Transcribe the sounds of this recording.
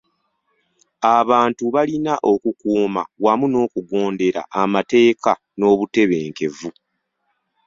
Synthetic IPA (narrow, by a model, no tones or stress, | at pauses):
aβaːntuβalinaʔo̞kukuːma̰wamuno̞ːkuɡo̞ːnde̞ɾa̰ʔamate̞ːka | no̞ːβute̞βe̞ːŋke̞vu